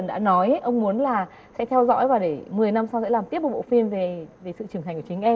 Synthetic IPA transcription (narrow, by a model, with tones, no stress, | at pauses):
ə˨˩nɗa̰ː˧˥nɔ˨˦jʔə˧wŋ͡mmu˨˦ənlaː˨˩ | sɛ̰˧˥t̪ʰɛ˧wzɔ̰˧˥jvaː˨˩ɗe˧˩mɨ˨˩əjna˧msa˧wsɛ̰˧˥laː˨˩mt̪i˦˥əp̚ɓ̚ɓo̰˧˨fi˧mve˨˩ve˨˩sɨ̰˧˨t͡ɕɨ˨˩əŋɦa˨˩ŋ̟kːt͡ɕï˨˦ŋ̟ʔɛ˧